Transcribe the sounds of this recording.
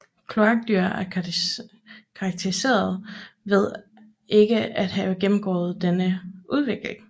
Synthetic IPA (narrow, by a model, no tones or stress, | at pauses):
kʰlo̝ɑɡ̥̚d̥yɐ̰æɐ | kʰɑːɡ̥̚t͡sʰeise̝̰ːɐð̩ˠʋe̝ð̞̰ˠ | e̝ɡ̥əæd̥hæɡ̥emm̩ɡ̥ɒ̰ːð̩ˠd̥enəuð̞ˠʋe̝ɡ̥le̝ŋ